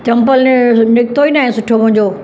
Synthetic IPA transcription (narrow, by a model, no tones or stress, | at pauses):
t͡ɕɐ̃mpəlnɪk̚t̪oiːnaːɦɛ̃sʊʈʰomʊ̃ɦɪ̃ɲd͡ʑoː